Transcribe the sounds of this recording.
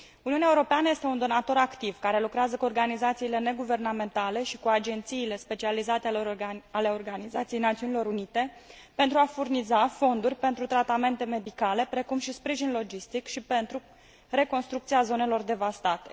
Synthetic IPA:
uniuneaeuɾo̞peanəje̞st̪eund̪o̞nat̪o̞ɾakt̪ivkaɾe̞lukɾeazəkuo̞rɡanizat̪siːle̞ne̞ɡuve̞rname̞nt̪ale̞ʃikuad͡ʒe̞nt̪siːle̞spe̞t͡ʃializat̪eale̞o̞rɡanizat̪sijejnat̪siunilo̞ɾunit̪e̞pe̞nt̪ɾuafurnizafo̞nd̪urʲpe̞nt̪ɾut̪ɾat̪ame̞nt̪e̞me̞d̪ikale̞pɾe̞kumʃispɾiʒinlo̞d͡ʒist̪ikʃipe̞nt̪ɾu | re̞ko̞nst̪ɾuk̚t̪siazo̞ne̞lo̞rd̪e̞vast̪at̪e̞̥

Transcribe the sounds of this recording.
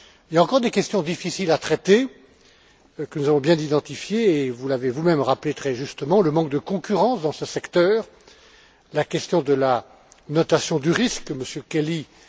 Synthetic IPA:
iljaɑ̃kɔʁd̪ekʲɛst̪jɔ̃d̪ifisilat̪χɛt̪e | kənuzavɔ̃bjɛ̃d̪id̪ɑ̃t̪ifjeːvulavevumɛmʁaplet̪χɛʒyst̪əmɑ̃ləmɑ̃k̚d̪əkɔ̃kʲyʁɑ̃sd̪ɑ̃səsɛkt̪œːʁ | lakʲɛst̪jɔ̃d̪əla | nɔt̪asjɔ̃d̪yʁiskːəməsjøkʲeli

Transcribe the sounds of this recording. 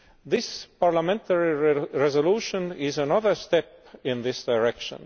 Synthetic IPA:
ðɪspɑɹlamẽnt̪ʰəɹiɹezoluːʃõnɪzænʌðə˞st̪epɪ̃nðɪsd̪̥aɪɹekʃə̰̃n

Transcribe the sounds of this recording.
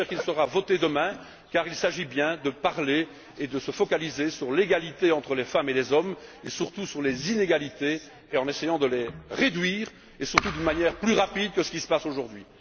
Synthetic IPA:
ɛʁkilsəʁavɔt̪ed̪əmɛ̃ | kaːʁilsaʒibjɛ̃d̪əpaʁle | ed̪əsəfɔkalizesyʁleɡalit̪eɑ̃t̪χəlefamelezɔmesyʁt̪usyʁlezineɡalit̪eː | ɑ̃nesejɑ̃d̪əleʁed̪ɥiːʁ | esyʁt̪ud̪ynmanjɛːʁplyʁapid̪̚kəsə̥kʲisə̥pasoʒuʁd̪ɥi

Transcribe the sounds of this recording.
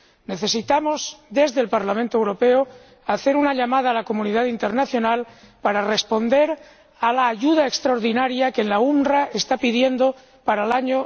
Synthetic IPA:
ne̞θe̞sit̪amo̞zd̪e̞zðe̞lpaɾlamẽnt̪oewɾo̞pe̞o | aθe̞ɾunaʎamaðaːlako̞muniðaðint̪eɾnaθjo̞nal | paɾare̞spo̞nd̪e̞ɾ | alaːʝuð̞aekst̪ɾaoɾðinaɾjakenlaumraʔe̞st̪apiðje̞nd̪o | paɾalaɲo

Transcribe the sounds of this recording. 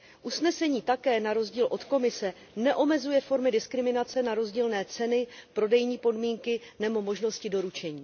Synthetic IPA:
ʔusnɛsɛɲiːt̪akɛːnaɾo̞zɟiːlʔo̞t̪ko̞mɪsɛ | nɛʔo̞mɛzujɛfo̞ɾmɪdɪskɾɪmɪnat͡sɛnaɾo̞zɟiːlnɛːt͡sɛnɪpɾo̞dɛjɲiːpo̞dmiːŋkɪnɛbo̞mo̞ʒno̞scɪdo̞ɾut͡ʃɛɲiː

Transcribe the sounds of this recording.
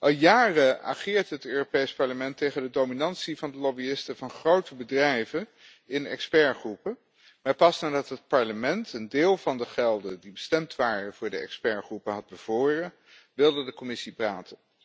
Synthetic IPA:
ʔɑlˠjaːrəʔa̰χɪːɹtɦətøːropejspɑɹləmɛntejχəndədowminɑntsivɑndəlobiɪstəvɑnχrowtəbədrɛjvən | ɪnɛ̰kspɛɹχrupə | maːɹpɑsnaːdɑtɦət̚pɑɹləmɛntəndeːlˠvɑndəχɛlˠdədibəstɛmtʋaːrəv̥ʊːɹdəɛ̰kspɛɹχrupəɦɑd̚bəv̥ʊːrə | ʋɪlˠdədəkomɪsipraːtʰən

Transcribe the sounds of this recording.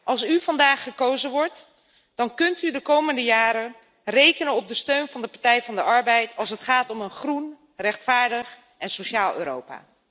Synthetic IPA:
ʔɑlˠsyvɑndaːχːəkowzənʋɔɹt | d̥ɑnkɵntydəkowməndəjaːɾə | rejkənənɔb̚dəstøɥnvɑndəpaɹtɛjvɑndəʔɑɹbɛjtʰɑlˠs̬ətχaːtɔmənχrun | rɛχtfaːɹdəχ | ʔɛnsowʃaːlˠø̰ːɾo̰wpa̰ː

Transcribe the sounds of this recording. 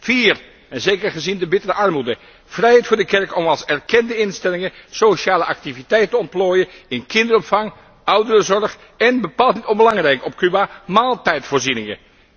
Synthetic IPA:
fiːr | ɛnzejkəɹχəzindəbɪtərəʔɑrmudə | v̥rɛjɦɛjtfʊːɹdəkɛɹkɔmɑlˠsɛrkɛndəɪnstɛlɪŋəsoʃaːləʔɑk̚tivitɛjttəɔnt̚ploːjəɪnkɪndərɔpfɑŋ | ʌwdərəzɔɹχ | ɛnbəpaːlˠtnitɔmbəlɑŋrɛjkɔp̚kybamaːlˠtɛjtfʊːɹzinɪŋə̰

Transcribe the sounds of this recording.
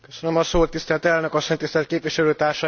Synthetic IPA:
køsønømɒsoːt̪ːist̪ɛlt̪ɛlnøkɒsːo̞ɲt̪ist̪ɛlt̪keːpʋiʃɛløːt̪aːrʃɒ

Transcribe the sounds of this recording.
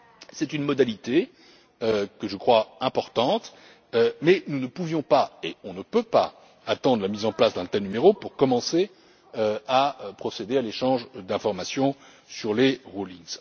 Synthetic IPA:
sɛt̪ynmɔd̪alit̪e | økəʒəkχwaɛ̃pɔʁt̪ɑ̃t̪ | ømɛnunəpuvjɔ̃paeɔ̃nəpøpa̰ | at̪ɑ̃d̪ʁlamizɑ̃plasd̪ɑ̃t̪ɛlnymeʁopuʁkɔmɑ̃se | øaøpχɔsed̪ealeʃɑ̃ʒd̪ɛ̃fɔʁmasjɔ̃ | syʁleʁuliŋz

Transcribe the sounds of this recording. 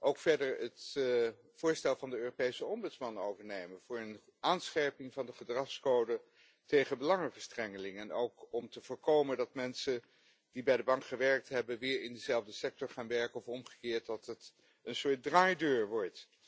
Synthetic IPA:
ʔowkfɛɹdəɹət | fʊːɹstɛlˠvɑndəøːropejsəɔmbɵtsmɑnowvəɹnejmənv̥ʊːɹən | ʔaːnsχɛɹpɪŋvɑndəχədrɑχskowdə | tejχəbəlɑŋəvəɹstrɛŋəlɪŋɛnowkɔmtəv̥ʊːɹkowməndɑtmɛnsə | d̥ibɛjdəbɑŋkχəʋɛɹk̚tɦɛbənʋɪːɹɪndəzɛlˠvdəsɛk̚tɔɹχaːnʋɛɹkənɔfɔmχə̥kɪːɹt̚dɑtət | ənsʊːt̚draːjdøːɹʋɔɹt

